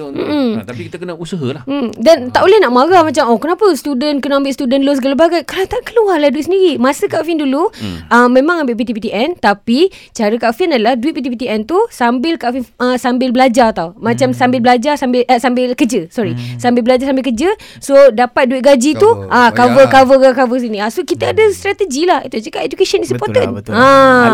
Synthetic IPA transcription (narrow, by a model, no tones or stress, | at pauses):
m̩ʔm̩t̪ikit̪əkənəusəɦəlahm̩dant̪aʔoləhnaʔmaɣamat͡ʃamɔkənapəst̪udənkənaambɪʔst̪udənlos̬ɡalabaɡajkanat̪aʔkəluarlahduit̪səndiɾimasəkaʔfinduluʔəmːẽmãŋambɪʔpit̪ipit̪iʔɛnt̪apit͡ʃaɾəkaʔfinadəlahduit̪̚pit̪ipit̪iʔɛnt̪usambɪlkaʔfinəsambɪlbəlad͡ʒart̪awmat͡ʃamsambɪlbəlad͡ʒarsambɪlʔəsambɪlkəd͡ʒəsɔɾisambɪlblad͡ʒarsambɪlkəd͡ʒə | sodapat̪̚duit̪̚ɡad͡ʒit̪uʔakavəkavəakavəs̬inĩasokit̪əadəst̪ɾat̪əd͡ʒilahḭt̪ut͡ʃəkaped͡ʒukeʃənisəpɔrt̪əna